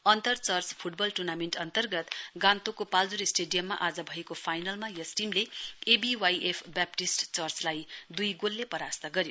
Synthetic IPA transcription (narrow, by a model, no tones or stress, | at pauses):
ʌnt̪ʌrt͡sʌrt͡spʰuʈ̚bʌlʈurnameɳʈʌnt̪ʌrɡʌt̪ɡãnt̪okopald͡zuɾisʈeɖijʌmːaʔad͡zʌbʱʌekopʰajnʌlmajʌsʈimleebiwajʔepʰbap̚ʈisʈt͡sʌrt͡slajd̪ujɡolːepʌɾast̪ʌɡʌɾjo